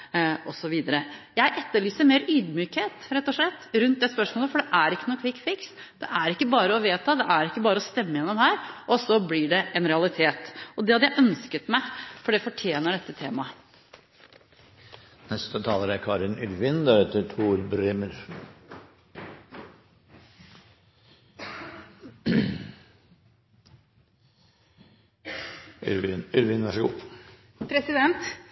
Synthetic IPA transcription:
ɔsɔʋiːd̪əɾəjæɪʔɛt̪ːəɭyːsəɾmeːɾyːd̪myːkheːt̪ɾɛt̪ːɔʂɭɛt̪ːɾʉnt̪̚d̪ɛspœʂmoːləfɔɖɛʔæɾɪkːənɔkʰʋɪkːfɪks | d̪̥ɛ̰ʔæɾɪkːəbɑːɾəɔʋeːt̪ʰɑd̪ɛʔæɾɪkːəbɑːɾəɔst̪ɛmːəjɛnːɔmhæːɾʔɔsɔblɪɖɛɛnɾɛɑlɪt̪ʰeːt̪ɔd̪ɛhɑd̪jæɪʔœnskət̪mæɪfɔɖɛfɔʈʰjeːnəɖɛt̪ːət̪ʰeːmɑ | nɛst̪ət̪ʰɑːləɾæɾkʰɑːɾɪnʏɾʋɪnd̪æɾɛt̪ːəʈʰuːɾbɾeːməɾ | ʏɾʋɪnʋæʂɔɡṵː | pʰɾɛsɪd̪ɛnt̪

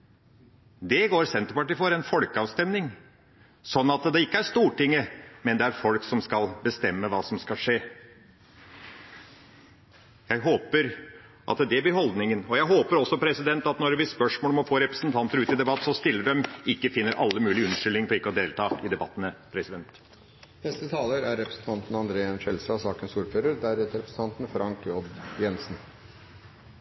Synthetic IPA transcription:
d̪ɛɡoːɾsɛnt̪əɾpɑʈiːfɔɾɛnfɔlkəɑːʋst̪ɛmnɪŋ | sɔnːɑt̪d̪ɛɪkːəæɾʂt̪uːʈɪŋːəmɛnd̪ɛæɾfɔlksɔmskɑlbəst̪ɛmːəʋɑːsɔmskɑlʂeː | jæɪɦoːpəɾ | ʔɑ̰t̪d̪ɛbɪhɔld̪nɪŋənɔjæɪɦoːpəɾɔsːɔpʰɾɛsɪd̪ɛnt̪ɑt̪nɔɾʋɪspœʂmoːlɔmɔfoːɾɛpɾəsn̩t̪ʰɑnt̪əɾʉːt̪ɪd̪ɛbɑt̪ːsɔst̪ɪlːəɖɛmɪkːəfɪnːəɾʔɑ̰lːəmʉːlɪʉnːəʂʏlːɪŋfɔɾɪkːəɔd̪eːlt̪ʰɑːɪd̪ɛbɑt̪ːənəpʰɾɛsɪd̪ɛnt̪ | nɛst̪ət̪ʰɑːləɾæɾɾɛpɾəsn̩t̪ʰɑnt̪nɑnd̪ɾeːənʃɛlsɑsɑːkənsuːɾføːɾəɾd̪æɾɛt̪əɾɛpɾəsn̩t̪ʰɑnt̪n̩fɾɑŋkʰjɔd̪jɛnsn̩

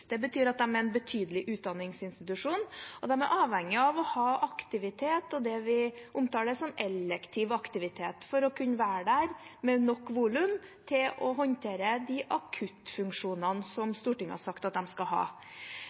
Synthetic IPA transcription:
d̪̥ɛbət̪ʰyːɾɑt̪̚d̪ɛmæɾɛnbət̪ʰyːd̪əlɪʔʉːt̪̚d̪ɑnːɪŋsɪnst̪ɪt̪ʉʂuːnɔd̪ɛmæ̰ɾʔɑːʋhɛŋːɪɑʋɔhɑːʔɑkt̪ɪʋɪt̪ʰeːt̪ɔd̪ɛʋɪʔʊmt̪ʰɑːɖɛsɔmɛlɛkt̪ʰɪʋɑkt̪ɪʋɪt̪ʰeːt̪fɔɾɔkʰʉnːəʋæːɾəɖæɾmɛnɔkːʋuːlʉmt̪ʰɪlʔɔɦɔnt̪ʰeːɾəd̪ɪʔɑkʰʉt̪fʉŋkʂuːnənəsɔmst̪uːʈɪŋːhɑ̰sɑkt̪ɑt̪̚d̪ɛmskɑɦɑ̰ː

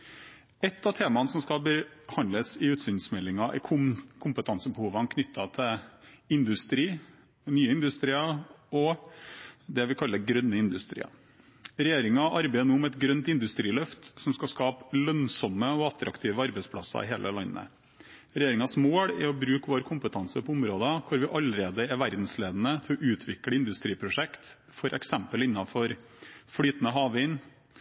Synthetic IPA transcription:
ɛt̪ːɑt̪ʰeːmɑnəsɔmskɑbəhɑnləsɪʉːt̪sʏnsmɛlːɪŋɑʔɛ̰kʰʊmkʰʊmpət̪ʰɑnsəbəhuːʋəɑnkʰnʏt̪ʰːɑt̪ʰɛɪnd̪ʉst̪ɾiː | nyːəɪnd̪ʉst̪ɾiːɑɔ | d̪ɛʋɪkʰɑlːəɾɡɾœnːəɪnd̪ʉst̪ɾḭːɑ̰ | ɾɛjeːɾɪŋɑʔɑɾbæɪd̪ənuːmɛt̪ɡɾœnt̪ɪnd̪ʉst̪ɾiːlœft̪sɔmskɑskɑːplœnsɔmːəɔɑt̪ɾʔɑ̰kt̪ʰiːʋəɑɾbɛɪspʰlɑsɑ̰ɪ̰ɦeːlʔə̰lɑnːə̰ | ɾɛjeːɾɪŋɑsmoːɽɪ̰ɔbɾʉːkʋoːɾkʰʊmpət̪ʰɑnsəpʰɔʊmɾoːd̪ɑkʰʊɾʋɪʔɑlːəɾeːd̪əɛʋæɾd̪n̩sleːd̪ənət̪ʰɪlɔʔʉːt̪ʰʋɪkɽəɪnd̪ʉst̪ɾiːpʰɾʊʂɛkt̪ | fɔɾʔɛ̰ksɛmpəlɪnːɑfɔɾ | fɽyːt̪ənəɦɑːʋəɪn

